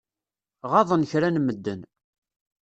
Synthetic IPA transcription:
ʁɑðˤənçɾænməd̪ːən

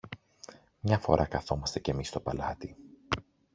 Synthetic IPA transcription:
mɲɐfo̞̰ɾʔɐkɐθo̞mɐst̪ece̞mist̪o̞pɐlɐt̪i

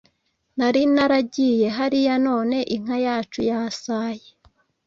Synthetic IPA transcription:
naɾinaɾaɟije̞ɦaɾijano̞ːne̞ʔiŋ̥hajaːt͡ʃujaːsaje

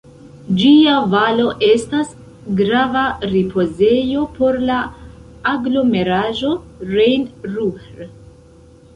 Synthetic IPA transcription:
d͡ʒiavalo̞ʔe̞stas | ɡɾavaɾipʰo̞ze̞jo̞po̞ɾlaː | ɡlo̞me̞ɾaʒo̞ɾejnɾueɾ

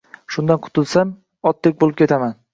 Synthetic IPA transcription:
ʃʊnd̪anqʰʊ̥t̪ʰɪlˠsam | ɒt̪ːek̚ʲbolɪpkʲʰe̞t̪ʰaman

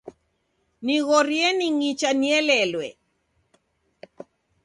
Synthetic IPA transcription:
niɣɔɾjɛniŋit͡ʃaniɛlɛlwɛ

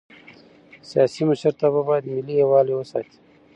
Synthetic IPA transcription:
sijɑsiməʃəɾt̪ababɑjad̪mɪliewɑːlewəsɑt̪i̥

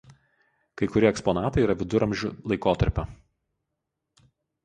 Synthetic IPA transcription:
kɐɪkʊɾʲiɛɛkspɔnɑːt̪ɐɪiːɾɐʋʲɪd̪ʊɾɐmʲʒʲʊlˠɐɪkoːt̪ɐɾʲpʲɛ

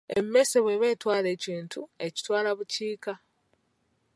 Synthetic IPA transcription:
ḛmme̞seβwe̞βe̞ːtwaːle̞ːciːntʰue̞ci̥twaːlaβuciːka

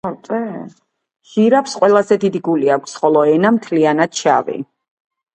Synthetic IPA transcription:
ɔt̪ʼɛ | ʒ̥iɾapsqʼwɛlˠazɛd̪id̪iɡuliakʷʰsχɔlˠɔɛnamt̪ʰlianad̪̥t͡ʃʰa̰vḭ

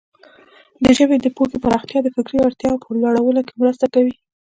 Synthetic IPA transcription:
d̪əʒəbed̪əpoxepaɾɑxt̪jɑd̪əfɪkɾioaɾt̪jɑpəlaɽawəlokemɾəst̪akawi

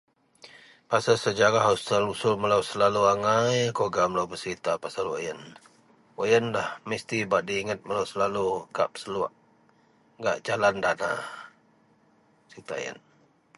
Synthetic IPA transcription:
pasəsəd͡ʒaɾaɦost̪əlusʊlməlawsəlaluaŋajkoɡaməlawbəsəɾit̪apasalwa̰jən | wajənlahmist̪ibaʔdiːŋət̪̚məlawsəlaluka̰p̚səluaʔ | ŋɡa̰ʔd͡ʒalandana̰ | sit̪a̰jə̰n

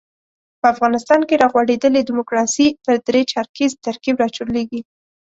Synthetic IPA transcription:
pəafɣɑnɪst̪ɑnkeɾɑɣwaɽed̪əled̪ɪmʊkɾɑsit̪əɾd̪ɾet͡ʃɑɾkizt̪aɾkibɾɑt͡ʃuɾleɡi

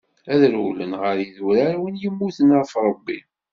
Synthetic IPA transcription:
æðɾhulənʁəɾjiðuɾaɾwənjəmːuθənaɾfɾˤəbːḭ

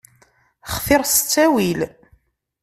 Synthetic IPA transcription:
χθɪɾst͡sːæwil

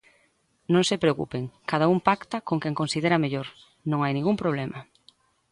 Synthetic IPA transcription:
nõŋsepɾeokṵpeŋkaðaumpakt̪ɐkoŋkɛŋkonsiðeɾɐmeʎoɾ | nõŋajnĩŋɡumpɾoβ̞lɛmɐ

